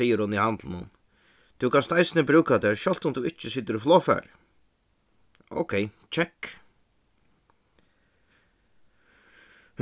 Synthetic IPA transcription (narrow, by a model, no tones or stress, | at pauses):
ijɪɾhʊnihant̪lɪnʊn | t̪ʰukʰanst̪ajsɪnɪbɾʉːkat̪ɛːɾʃɔlt̪ʊnt̪uɪht͡ʃːɪsiːt̪ɪɾɪflɔːfɛ̰ɾ | o̰wkʰɛjt͡ʃʰɛkː | h